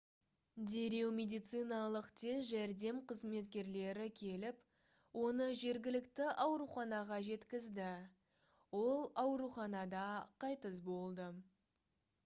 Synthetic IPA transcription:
d̪e̞ɾe̞wmʲe̞d̪ijt̪sɨjnɑlˠəqt̪ʰe̞sʒæɾd̪e̞mqʰəzme̞t̪kʲe̞ɾle̞ɾɪkʲʰe̞lɪp | wo̞nəʒe̞ɾɡʲɪlɪkt̪ɪʔɑwɾuχɑnɑʁɑʒe̞t̪kʲɪzd̪ɪ | wo̞lˠɑwɾuχɑnɑd̪ɑqʰɑjt̪əs̬bo̞lˠd̪ə

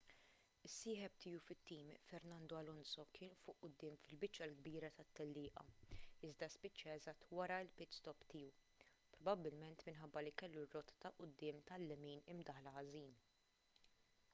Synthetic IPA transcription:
ɪsːiːħɛp̚t̪ɪːufɪt̪ːiːmfɛɾnɐnd̪ɔɐlɔnsɔkɪːnufʊʔːʊd̪ːɪːmfɪlbɪt͡ʃːɐlɡbiːɾɐt̪ɐt̪ːɛlːɪːʔɐ̰ɪzd̪ɐspɪt͡ʃːɐɛzɐt̪ːwɐɾɐɪlpɪtst̪ɔpt̪ɪːu | pɾɔbɐbːɪlmɛnt̪mɪnħɐbːɐlikɛlːurːɔt̪ɐ̥t̪ɐʔʊd̪ːɪːmt̪ɐlːɛmiːnɪmd̪ɐħlɐɐziːn

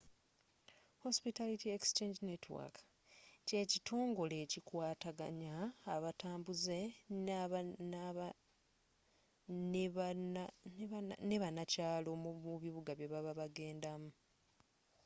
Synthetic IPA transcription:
ho̞spitalitiekst͡ʃeɲd͡ʒinetwa̰k | ce̞ːcitʰo̞ːŋɡo̞le̞ːcikwaːtaɡa̰ɲaːβatʰaːmbuze̞ | n | neβanacaːlouβiβuɡaβjeβaβaβaɡe̞ːndamu

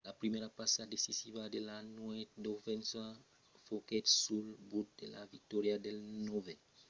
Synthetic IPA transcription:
lapɾimeɾapasad̪esisiβad̪elanwet̪̚d̪ofẽnsa | foket̪sulbut̪̚d̪ela̰vik̚t̪oɾjad̪elnove

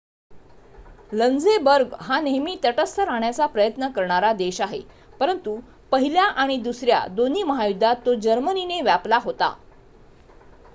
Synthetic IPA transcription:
lənd͡zebəɾɡɦaneɦmiːt̪əʈəst̪ʰəɾaɳjat͡sapɾəjət̪nəkəɾɳaɾad̪eɕaɦḛ | pəɾənt̪u | pəɦiljaʔaɽ̃id̪usɾja̰d̪on̤iːməɦajud̪ʱːat̪ːod͡ʑəɾmənineʋjaplaɦot̪a̰

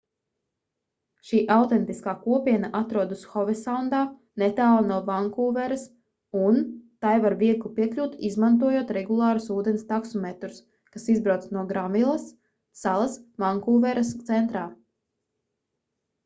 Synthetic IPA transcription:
ʃiːʔawt̪ɛnt̪iskaːkuɔpiɛnaʔat̪ɾuɔd̪usxɔvɛsawnd̪aː | nɛt̪aːlˠnuɔvaŋkuːvɛɾɐs | unt̪ajvaɾviɛɡlˠupiɛklʲuːt̪izmant̪uɔjoɔt̪ɾɛɡulˠɑːɾusuːd̪ɛnʲst̪aksumɛt̪ɾus | kasizbɾawt̪snuɔɡɾamilˠɐsː | alˠɐsvaŋkuːvɛɾast̪sɛnt̪ɾaː

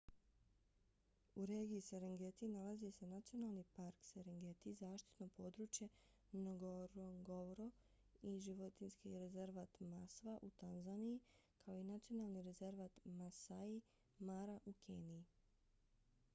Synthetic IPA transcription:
uɾe̞ːɡiːseɾeŋɡet̪inalazise̞nat̪sijo̞naːlˠnipaɾkseɾeŋɡet̪izaːʃt̪i̥t̪nopo̞ːd̪ɾuːt͡ʃje̞ | noɡoɾoŋɡoɾo | iʒiʋo̞t̪inskiɾe̞ze̞ɾʋat̪masʋaʔut̪anzanii | kʰaoinat̪sio̞naːlˠniɾe̞ze̞ɾʋat̪masai | maɾaʔukʰeːnii

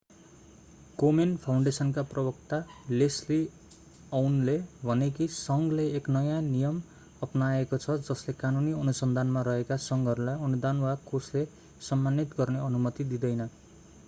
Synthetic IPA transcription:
ɡomenpʰawɳɖesʌnkaprʌbʌkt̪alesli | ʌwnlebʱʌnekisʌŋɡlejeknʌjãnijʌm | ʌpnaekot͡sʰʌd͡zʌslekanuniʌnusʌnd̪ʱanmaɾʌɦekasʌŋɡʱʌɾulajʌnud̪anwakosle | sʌmːanit̪ɡʌrneʌnumʌt̪id̪id̪ʌjnʌ

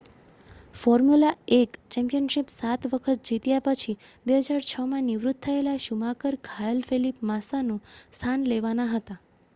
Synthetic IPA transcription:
fɔɾmulaekt͡ʃɛ̃mpijənʃipsat̪ʋəkʰət̪̚d͡ʒit̪japət͡ʃʰibeɦəd͡ʒaɾt͡ʃʰəmãniʋɾut̪̚t̪ʰːəelaʃumakəɾkʰajəlfʰelipmasanũst̪ʰanleʋanaɦət̪a

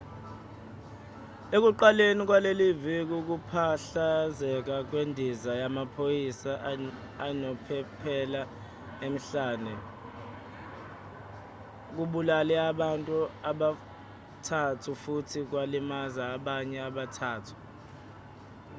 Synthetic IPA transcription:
ek̬uǃalenik̬walelivik̬uk̬upʰaɬazɛk̬ak̬wendʱizajamapʰojisa | anɔpʰɛpʰɛla | em̩ɬaːnɛ | k̬uɓulalɛaɓantʼuaɓa | tʰatʰufutʰik̬walimazaːɓaɲɛaɓatʰaːtʰu̥

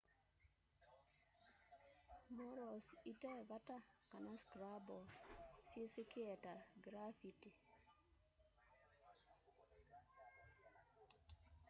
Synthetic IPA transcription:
mɔɾɔsitɛbatakanaskɾabɔsjesekɪɛtaɡɾafiti

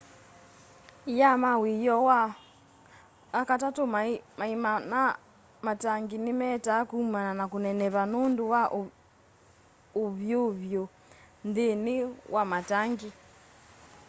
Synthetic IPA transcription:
jamawijɔwa | katatomamaimana | mataŋɡinimɛtakumananakunɛnɛβanondowaʔ | oβjoβjo | ndeniwʔamataŋɡi

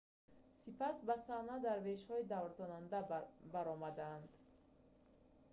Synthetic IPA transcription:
sipasbasanad̪aɾveʃhɔid̪avɾzanand̪abaɾɔmad̪and̪

